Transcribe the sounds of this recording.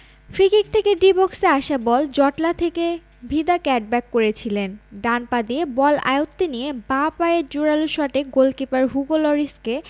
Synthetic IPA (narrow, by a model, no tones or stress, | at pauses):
fɾikik̚t̪ʰekeɖibɔkseaʃabɔld͡ʑɔʈlat̪ʰeke | bʱid̪akɛʈ̚bɛkːoɾet͡ɕʰilenɖanpad̪iebɔla̰jot̪ːenijebapaed͡ʑuɾaluʃaʈeɡolkipaɾɦuɡolɔɾiske